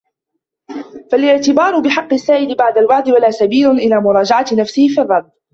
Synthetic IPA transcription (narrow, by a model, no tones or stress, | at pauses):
falʔɪʕt̪ɪbɑːɾˤʊbɪħɑqːɪsːaːʔɪd̪ɪbaʕd̪albaʕd̪ɪwalaːsabiːlʊnʔɪlaːmʊɾˤɑːd͡ʒaʕat̪nafsɪhɪfiːrˤːɑlb̪